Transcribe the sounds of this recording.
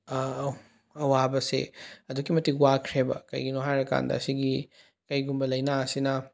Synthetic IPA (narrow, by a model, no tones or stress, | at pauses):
ɐwabɐsḛɐdukːimɐtiwakʰɾebɐ̰kɐ̰jɡinoɦajɾɐka̰ndɐ̰ɐsiɡi | kɐjɡumbɐlɐjnasinɐ